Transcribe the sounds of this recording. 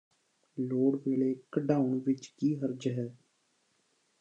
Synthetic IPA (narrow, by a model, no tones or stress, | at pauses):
loːɽʋeːleːkəɖaːʊnʋɪt͡ʃkiːɦəɾd͡ʒɦɛː